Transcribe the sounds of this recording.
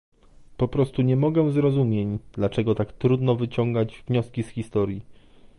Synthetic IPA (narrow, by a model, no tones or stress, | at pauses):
pɔpɾɔst̪uɲɛmɔɡɛzɾɔzumʲjeɲd̪̥lat͡ʂɛɡɔt̪akt̪ɾud̪nɔvɘt͡ɕɔŋɡad͡ʑvɲɔskʲisxʲist̪ɔɾji